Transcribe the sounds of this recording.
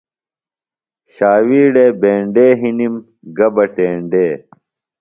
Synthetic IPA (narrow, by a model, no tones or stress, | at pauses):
ɕaːwiːɽeːbeːɳɖeːɦinim | ɡɐbɐʈeːɳɖeː